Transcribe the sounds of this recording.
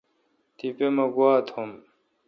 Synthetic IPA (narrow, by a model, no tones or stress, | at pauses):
t̪ipemɐɡwaːt̪hom